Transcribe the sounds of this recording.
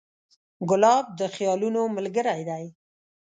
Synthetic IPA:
ɡʊlɑb̚d̪əxjɑlunoməlɡəɾajd̪aj

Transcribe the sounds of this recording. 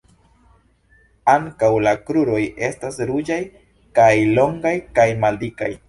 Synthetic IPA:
aŋkawlakɾuɾo̞je̞stasɾud͡ʒaj | kajlo̞ŋɡajkajmaldikaj

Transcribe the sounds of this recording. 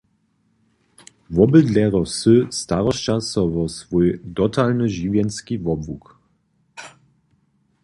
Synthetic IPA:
vɔbəd̪lɛɾɔsɨst̪aʁɔst͡ɕasɔvɔsvujdɔt̪ʰalnɨʑivjɛnskʲivɔbvuk

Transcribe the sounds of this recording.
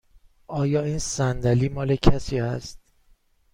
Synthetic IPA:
ʔɒːjɒːiːnsænd̪æliːmɒːle̞cʰæsiːæst̪̚

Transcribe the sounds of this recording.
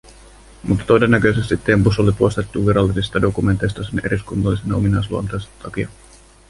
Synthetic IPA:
mut̪ːɑ̥t̪o̞de̞nːækø̞jse̞st̪it̪ːempuso̞lipust̪et̪ːuʋiɾɑlːisist̪ɑdo̞kume̞nt̪ːˑe̞jst̪ɑsenʔe̞̰ɾiskunt̪ɑlːisenɑominɑjsluont̪ɑjst̪ʰɑkiɑ

